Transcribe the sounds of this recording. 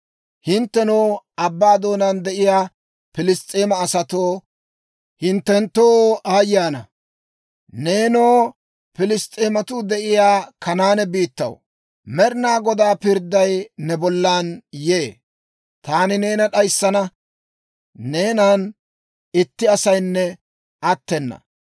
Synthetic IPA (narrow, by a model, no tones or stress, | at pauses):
hɪnt̪ːɛnoːɐbːaːd̪o̞ːnand̪ɛʔɪjaː | pɪlɪst̪ʼːeːmɐːsɐt̪oː | hɪnt̪ːɛnt̪ːoːaːjːaːnɐ | ne̞ːnoː | pɪlɪst̪ʼːeːmɐt̪ʊd̪ɛʔɪjaːkɐnaːnɛbiːt̪ːɐ̰w | mɛɾnaːɡɔd̪aːpɪɾd̪ːɐjnɛbɔlːaːnje̞ː | t̪aːnɪne̞ːnɐɗɐjsːɐnɐ | ne̞ːnaːn | ɪt̪ːɪɐsɐjnːɛ | ʔɐt̪ːɛnːɐ̰